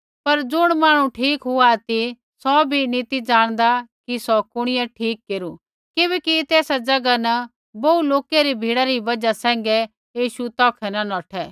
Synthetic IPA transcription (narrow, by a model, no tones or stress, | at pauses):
pɐɾd͡zʊɽ̃maːɽ̃ũʈʰiːkɦʊat̪i | sɔbʱinit̪id͡ʒaːɽ̃d̪akisɔkʊɽ̃ɪjɛʈʰiːkːeːɾu | kɪβɛːkit̪eːsad͡ʒɐɡanɐ | bɐuloːkeɾibʱiːɽaɾibɐd͡ʒasɛ̃ːŋ̆ɡɛ | jiːʃut̪ɔːkʰɛnɐnɔːʈʰɛː